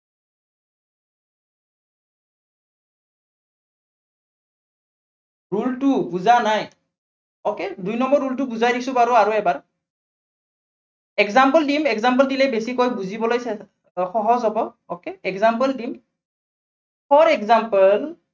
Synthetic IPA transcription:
ɹultʊbuzanaj | ɔkedujnɔmbɔɹːultʊbuzajdisʊbaɹuaɹuɛbaɹ | ɛkzampəldimɛkzamp̬əldilɛbesikojbuzibɔlojsɛ | xɔɦɔzɦɔbɔ | ɔkeɛkzampəldim | pʰɔɹɛkzampəl

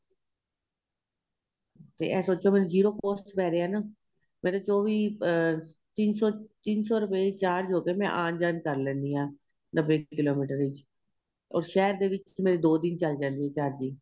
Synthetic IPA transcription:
t̪ḛːʔɛ̃ːsoːt͡ʃõːmɛːnũːd͡ʒiːɾoːpoːsʈpɛːɾeːɛːnaː | mɛ̃ːɾoːt͡ʃoːʋiː | t̪ɪnsɔːt̪ɪnsɔːɾʊpeːiːt͡ʃaːɾd͡ʒoːkeːmɛ̰̃ʔãːnd͡ʒaːnkəɾlɛ̃ːnd̪iːɦãː | nəbːeːkɪloːmiːʈəɾɪt͡ʃ | ɔ̰ːɾʃɛːɾd̪eːʋɪt͡ʃmeːɾeːd̪oːd̪ɪnt͡ʃəld͡ʒãːnd̪iːɦɛːt͡ʃaːɾd͡ʒiː

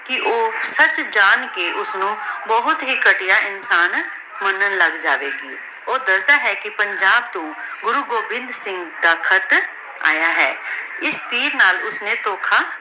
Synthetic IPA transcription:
kɪʔoːsət͡ʃd͡ʒaːnkeːʔʊsnũːbəɦʊt̪ɦiːkəʈɪjaːʔɪnsaːn | mənənləɡd͡ʒaːʋeːɡiː | oːd̪əsd̪aːɦɛːkɪpəɲd͡ʒaːb̚t̪õːɡʊɾuːɡoːʋɪ̃nd̪sɪ̃ŋɡd̪aːkʰət̪ | a̰ːjaːɦɛːɪspʰiːɾnaːlʊsneːt̪oːkʰaː

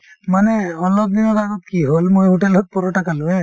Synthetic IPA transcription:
manɛɔlɔp̚d̪inɔtaɡɔt̪̚kiɦolmojuʈɛlɔt̪̚pɔɹɔʈakaluɛ

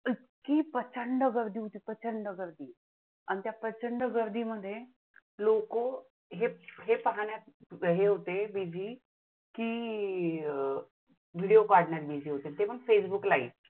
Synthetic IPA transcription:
i | kiːpət͡ɕəɳɖəɡəɾd̪ʱiːɦot̪iːpət͡ɕəɳɖəɡəɾd̪iː | anit̪japət͡ɕəɳɖəɡəɾd̪iːməd̪ʱːje | loko | ɦeɦepəɦaɳ̃jaɦeɦot̪ebid͡ʑʱiː | kiː | ʋiɽijokaɾɽɳaɾbid͡ʑiːɦot̪et̪epəɡfesbuklaḭ

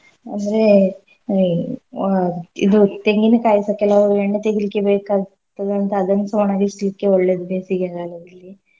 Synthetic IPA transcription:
ɐnd̪ɐɾe̞ | id̪ut̪eŋɡinkaːjisɐkɛlɐʋueɳɖet̪eɡilikːebeːkaː | t̪ːɐd̪ɐnt̪ɐːd̪ɐnːɐsɐmɐnaːɡisilikːeɔɭːed̪ubeːsiɡaɡaːlɐd̪ɐlːi

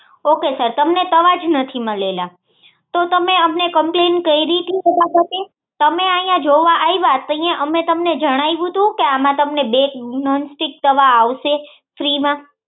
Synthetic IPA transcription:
okesəɾt̪əmnet̪əʋad͡ʒnət̪ʰiməlela | t̪ot̪əmeəmnekəmplenkəiɾit̪iebabʱət̪e | t̪əmeajãd͡ʒoʋaʔaiʋat̪ə̃j̃ãʔəmet̪əmned͡ʒəɽ̃ajʋũt̪ʰũkeamãt̪əmnebeknɔnsʈik̚t̪əʋaːʋʃe | fɾimã

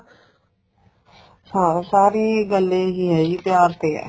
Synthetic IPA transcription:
sasaːɾeɡəlːeɦiɦɛip̪jaːɾt̪ḛ

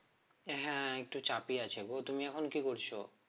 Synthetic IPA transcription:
ɦɛ̃ek̚ʈut͡ɕapiat͡ɕʰekot̪umiɛkʰonkikoɾt͡ɕʰo

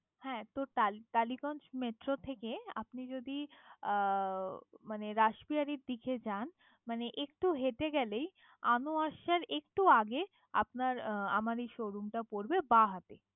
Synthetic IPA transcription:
hɛ̃t̪ot̪at̪alikɔnd͡ʑmeʈɾot̪ʰekea̰pnid͡ʑod̪i | maneɾaʃbiaɾiɾd̪ikʰed͡ʑan | maneʔek̚ʈuɦet̪eɡɛlej | anoaʃaɾekʈuaɡe | a̰pnaɾa̰maɾejʃoɾumʈapoɾbebaɦat̪e

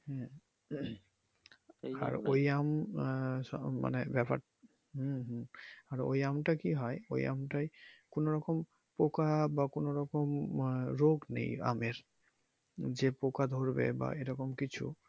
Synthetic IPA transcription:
hɛ̃ | a̰ojam | sɔma̰nɛbɛpa̰t̚ | ɦɦaɹojamtakiɦɔjo̰ja̰mtajkʊnɔɹɔkɔm | pokabakʊnɔɹɔkɔmɹoɡnḛja̰mɛɹ | zɛpokad̪ʱoɹbɛ̰ba̰ejɾɔkɔmkit͡ʃʰṵ

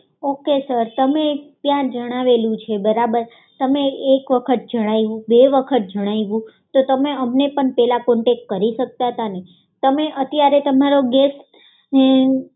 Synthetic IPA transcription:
okesəɾt̪əmet̪jãd͡ʒəɽ̃aʋelũt͡ʃʰebəɾabəɾ | t̪əmeekʋəkʰət̪̚d͡ʒəɽ̃aiʋũbeʋəkʰət̪̚d͡ʒəɽ̃aiʋũ | t̪ot̪əmeəmnepəɳpɛlakoɳʈekkəɾiʃək̚t̪aɦət̪ane | t̪əmeʔət̪jaɾet̪əmaɾoɡes | ne

